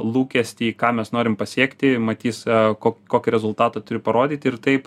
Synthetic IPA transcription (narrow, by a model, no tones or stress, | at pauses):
lˠuːkʲɛsʲt̪ʲiːkɑːmʲɛsnoːɾʲɪmpɐsʲiɛkt̪ʲɪmɐt̪ʲiːskoːkʲkoːkʲɪɾʲɛzʊlˠt̪ɑːt̪ɑt̪ʊɾʲɪpɐɾoːd̪ʲiːt̪ʲɪrt̪ɐɪp